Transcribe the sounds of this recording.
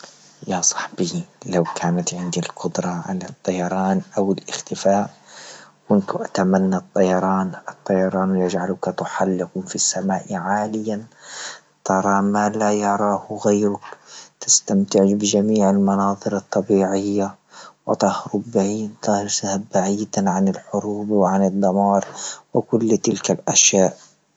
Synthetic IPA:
jasˤɑ̥ħbilawkʰaːnat̪ʕɪnd̪ilqʊd̪ɾˤɑʕa̰lat̪ˤːɑjɑɾˤɑːnʔawɪlʔɪxt̪ɪfaːʔ | kʊnt̪ʔat̪amanːat̪ˤːɑjɑɾˤɑːnʔɨt̪ˤːɑjɑɾˤɑːnwjad͡ʒʕalʊkat̪ʊħalːɪqʊfisːamaːʔʕaːlɪjan | t̪ɑɾˤɑːmalajɑɾˤɑːhɣajɾʊkt̪ɪst̪amt̪ɪʕɪd͡ʒbɪd͡ʒamiːʕɪlmɑnɑːðˤɨɾɑt̪ˤːɑbiːʕɪjːa | wɪt̪ˤɑhɾʊbːaʕiːd̪t̪ɑhɾsahabːaʕiːd̪aʕanɪlħʊɾuːbwɪʕanɨd̪ˤːɑmɑːɾˤwɪkʊlːt̪ɪlkalʔaʃjaːʔ

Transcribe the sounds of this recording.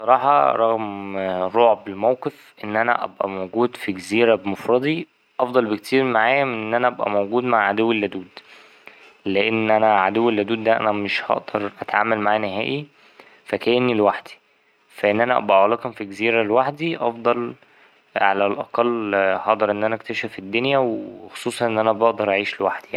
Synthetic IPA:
sˤɑɾˤɑːħɑ̰ɾˤɑɣmɾˤoːʕbelmæwqef | ʔenːʔænæ̰ʔæbʔæ̰moɡuːd̪fiɡeziːɾæbemofɾˤɑd̪ˤi | ʔɑfd̪ˤɑlbekt̪ʰiːɾmaʕaːjæmenʔenːʔænæʔæbʔæ̰mowɡuːd̪maʕʕad̪owːelːæd̪uːd̪ | leʔenːʔænæʕad̪owːelːæd̪uːd̪ːæʔæ̰næmeʃhɑ̰ʔd̪̥ɑɾˤʔæt̪ʕa̰ːmælmaʕaːneɦæ̰ːʔi | fækæjenːilwaħd̪̥i̥ | fæʔenːʔænæʔæ̰bʔæʕɑlɑːkhomfiɡeziːɾælwaħd̪iʔɑfd̪ˤɑl | ʕalælʔɑqɑlːhɑʔd̪ˤɑɾˤʔenːʔænæʔk̚t̪æʃæfed̪ːonjæwxo̥sˤuːsˤɑnʔenːʔænæbɑʔd̪ɑɾˤʔaʕiːʃlewaħd̪̥ijani

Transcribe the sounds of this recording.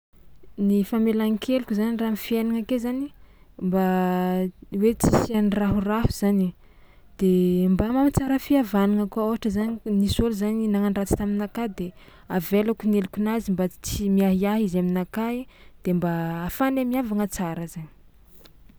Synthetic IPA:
nifamelaŋkʰelukʲuzaniramifienaŋakezanimba | wet͡si̥sianraɦurahuz̥ani | d̪̥embamamit͡saɾəfiavanaŋakuaoɦaʈ͡ʂəzaninisoluzaninaŋaɳɖ͡ʐat͡si̥t̪aminakad̪e | avelakunelukʲunazimbat͡simiaɦiaɦizaminakad̪̥embaːfanamiavaŋət͡saɾəzani̥

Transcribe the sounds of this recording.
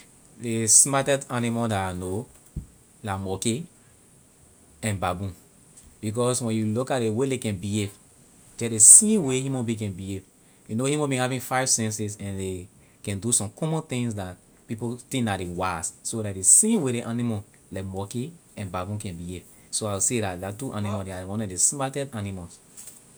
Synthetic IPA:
desmatɛdanimɔdano | laɪkmɔke | ɛ̃nbabũn | b̥ik̬ɔswɛ̃njulukat̚dewelekɛ̃nbiev | d͡ʒɛdesĩmwehĩmɔ̃bĩk̬ɛ̃nbiev | junohimɔ̃bĩhavĩŋfaɪv̥sɛ̃nsisɛ̃nde | kɛ̃ndusɔ̃mkʰɔ̃mɔ̃nt̪ĩŋsdat̚ | pipostenadewassodadesĩmweɾeʔanimɔ | lakmɔkeɛ̃nbabũnkɛ̃nbiev | soaɪwisedatdatuʔanimɔldeawɔ̃nɔdesmatɛdanimɔls

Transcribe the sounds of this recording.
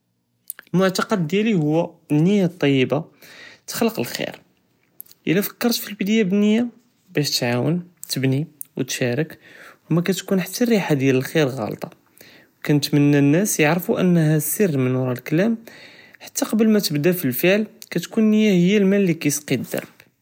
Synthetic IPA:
əlmʊʕt̪ɑqɑd̪ːjælihʊwːænːəjːat̪ˤːɑjːəbat̪xləqəlxḭɾ | ʔə̰lːæfə̥kːɑɾˤt̪filbəd̪jabənəjːa | bæʃt̪ʕawə̰nt̪əbni | wət̪ʃæɾəkhmækæt̪kunħat̪ːærːiħad̪jæləlxiɾɣɑ̰lt̪ˤɑ | wkænət̪mənːænːæsjəʕɾəfuʔə̰nːhæsərːmənwɾˤɑlklæmħḁt̪ʰːaqɑbəlmæt̪əbd̪æfilfəʕlkæt̪kunːəjːæhəjːælmælːikæjsqid̪ːɑ̰ɾˤb̥

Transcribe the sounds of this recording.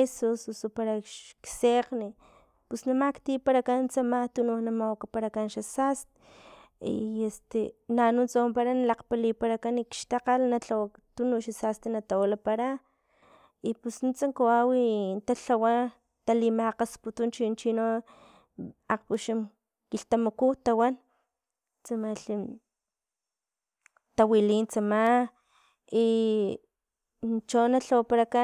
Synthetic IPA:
esususopaɾaʃkseqni | pusnamakt̪ipaɾakant͡samat̪ununamawakapaɾakanʃasast̪e̥ | ḭest̪enanunt͡sawampaɾanalaqpalipaɾakanikʃt̪aqalnaɬawat̪unuʃasast̪enat̪awalapaɾa | ipusnit͡saŋkoawint̪aɬawa | t̪alimaqasput̪unt͡ʃint͡ʃino | aqpuʃam | kiɬt̪amakut̪awan | t͡samaɬi | t̪awilint͡sama | i | t͡ʃonaɬawapaɾaka

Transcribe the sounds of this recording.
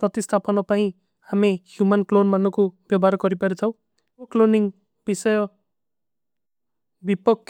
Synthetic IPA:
prʌt̪ist̪ʰapʌnʌpaĩ | hamihjumanklonmanːukobjʌbaɾʌɡʌɾipʌɾet͡sʰʌw̃ | okloniŋ | bisʌjʌ | bipʌkː

